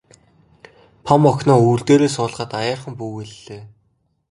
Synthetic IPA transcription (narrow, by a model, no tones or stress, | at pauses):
pʰɔmɔknɔːuːɮt̪eːɾeːsʊːɮ̆ʁə̆t̪ajaːrχə̆mpuːweɮːeː